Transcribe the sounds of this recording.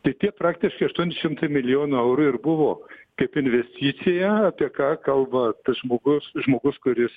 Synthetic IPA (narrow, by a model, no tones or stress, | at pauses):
t̪ɐɪt̪ʲiɛpɾɑːkt̪ʲɪʃkɐɪɐʃt̪uɔnʲɪʃʲɪmt̪ɐɪmʲɪlʲɪjoːnʊɛʊɾuːɪrbʊʋoːkɐɪpɪnʲʋʲɛsʲt̪ʲiːt̪sʲɪjɛɐpʲiɛkɑːkɐlˠbɐt̪ɐsʒmoːɡʊsʒmoːɡʊskʊɾʲɪs